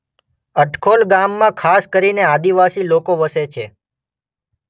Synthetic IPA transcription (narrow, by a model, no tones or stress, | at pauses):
əʈkʰolɡamːãkʰaskəɾinead̪iʋasilokoʋəset͡ʃʰe